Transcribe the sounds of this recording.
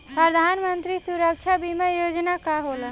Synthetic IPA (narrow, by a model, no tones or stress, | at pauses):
pɾəd̪ʱanmənt̪ɾisuɾək̚t͡ʃʰabʱimẽjod͡ʒnakaɦolə